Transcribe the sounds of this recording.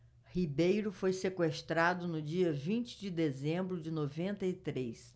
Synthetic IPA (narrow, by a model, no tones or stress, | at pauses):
hibejɾʊfojsekwest̪ɾad̪ʊnʊd͡ʒiɐvĩnt͡ʃɪ̥d͡ʒɪd̪ezẽmbɾʊd͡ʒɪnovẽnt̪ɐit̪ɾejs